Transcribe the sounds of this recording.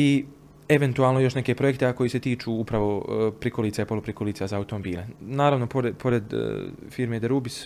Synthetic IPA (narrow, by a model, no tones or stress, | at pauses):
i | eʋe̞nt̪uaːlˠno̞jo̞ʃne̞ke̞pɾo̞jekt̪eako̞jiːse̞t̪iːt͡ʃuːupɾaʋo̞pɾikoliːtsaipo̞lupɾikoliːt̪sazaːut̪omobiːlenaːɾaʋno̞poɾepʰo̞ɾe̞d̪̰fiɾmed̪eɾubis